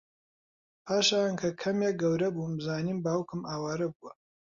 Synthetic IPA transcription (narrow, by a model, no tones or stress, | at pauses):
pʰaːʃaːnkʰɐkʰɐmeɡɐwɾɐbuːmzaːniːmbaːwkɨmaːwaːɾɐbuwɐ